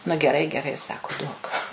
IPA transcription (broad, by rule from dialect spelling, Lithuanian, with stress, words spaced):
nʊ ɡʲɛˈrɐɪ ɡʲɛˈrɐɪ ˈsɑːkʊ ˈduɔk